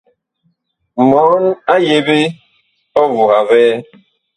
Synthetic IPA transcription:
mɔ˨˦na˦je˨be˦ | ɔ˦vu˨ɣa˨vɛː˦

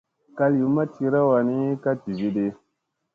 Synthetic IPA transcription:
ka˦lu˨ma˦ti˦ɾa˦wa˨ni˦ka˦ti˨vi˦de˦

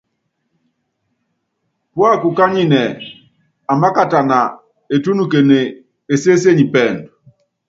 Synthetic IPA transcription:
pwa˦ku˨ka˦ɲi˦˨nɛ˨ | a˨ma˦ka˦ta˨na˨ | e˨tu˦nu˨ke˨ne˨ | e˨se˦se˦ɲi˨pɛ˦˨nd

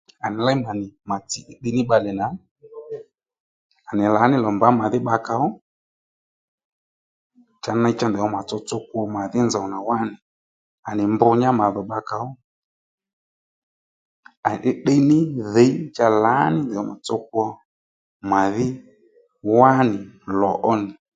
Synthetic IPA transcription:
a˨nɪ˨la˦i˦ma˨nɪ˨ma˨ti˨ʔɪ˦ɗɛ˦nɪ˦ɓa˧lɛ˨na˨˦ | a˨nɪ˨la˨˦nɪ˦lɔ˨mba˨˦ma˨ðɪ˦ɓa˧ka˨ɔ˦ | t͡ʃa˧na˧˦i˦t͡ʃa˦ndɛ˨ɔ˦ma˨t͡sɔ˧t͡sɔ˦ku˦ɔ˧ma˨ðɪ˦nza˨ɔ˨na˨wa˦nɪ˨ | a˨nɪ˨mbʊ˧ɲa˦ma˨ðɔ˨ɓa˧ka˨ɔ˦ | a˨n˨ʔɪ˦ɗɛ˦nɪ˦ðɛ˨˦i˦t͡ʃa˦la˨˦nɪ˦ndɛ˨ɔ˦ma˨t͡sɔ˦k̚u˦ɔ˧ | ma˨ðɪ˦ | wa˦nɪ˨lɔ˨ʔɔ˦nɪ˨

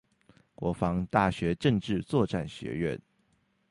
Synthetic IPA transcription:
kwɔ˧˥fɑ˦˥ŋt̪a˥˩ɕɥɛ˧˥ʈ͡ʂə˥˧ŋʈ͡ʂɻ̩˥˨t͡swɔ˥˨ʈ͡ʂa˥˩nɕɥɛ̰˧˥ɥɛ̰˥˨n

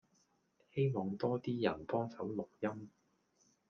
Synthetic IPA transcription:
he˥jmɔː˨˩ŋt̪ɔː˥t̪iː˥jɐ˨˩npɔː˥ŋsɐ˨˥wlʊ˨k̚jɐ˥m

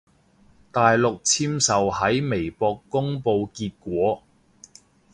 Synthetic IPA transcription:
t̪aː˨jlʊ˨k̚t͡sʰiː˥msɐ˨whɐ˨˥jme˨˩jpɔː˧kːʊ˥ŋpo˧wkiː˧t̚kʷɔː˨˥

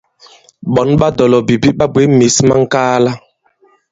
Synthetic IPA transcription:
ɓɔ˨˦nɓa˦dɔ˨lɔ˨bi˨bi˦ɓa˦bwe˨˦mi˨˦sma˦ŋ̩˦kaː˦la˦

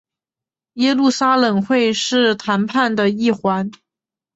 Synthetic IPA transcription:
jɛ˥lu˥˩sa˥lɤ˨˩ŋxwe˥˧ɪʂɻ̩˥˩t̪ʰa˧˥npʰa˥˩nd̪ə˩i˥˩xwa˧˥n

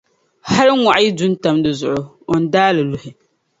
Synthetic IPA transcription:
ha˦ɾɨ˦ŋʷa˨ʔa˦ji˦dʊ˦n˦ta˨mdɨ˨zʊ˨ʔʊ˦ | o˨n̩˦daː˦lɨ˨lʊ˨hɪ˨

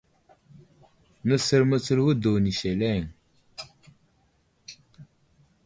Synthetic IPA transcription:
nə˦sə˨ɾmə˦t͡sə˦ɾwu˦do˨wni˨ʃe˨le˦˨ŋ

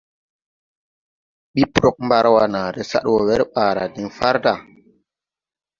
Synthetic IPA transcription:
ɓi˦pɾo˦k̚mba˦ɾwa˨na˨ɾe˦sa̰˦ɗwo˨ɣe˦ɾɓaː˨ɾa˨di˨ŋfa˦ɾda˦˨

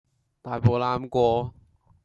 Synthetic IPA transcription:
t̪aː˨˩jpo˨wlaː˨˥mkʷɔː˧

